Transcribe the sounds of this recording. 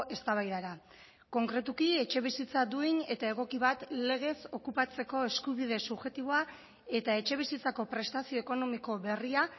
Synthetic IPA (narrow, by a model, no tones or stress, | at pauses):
e̞st̪aβajðaɾa | ko̞ŋkɾe̞t̪ukie̞t͡ʃe̞β̞isit͡sad̪uine̞t̪ae̞ɣ̞o̞kiβ̞at̪le̞ɣ̞e̞so̞kupat͡se̞ko̞e̞skuβiðe̞suβʝe̞t̪iβoa | e̞t̪ae̞t͡ʃe̞β̞isit͡sako̞pɾe̞st̪asio̞eko̞no̞miko̞βe̞ria